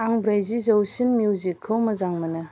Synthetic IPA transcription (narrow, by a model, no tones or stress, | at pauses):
aŋbɾajzizɐwsinmjuwzikʰːɯwmɐzaŋmɐnɯ